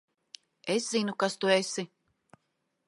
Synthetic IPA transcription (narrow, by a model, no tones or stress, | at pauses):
eszinukast̪uesi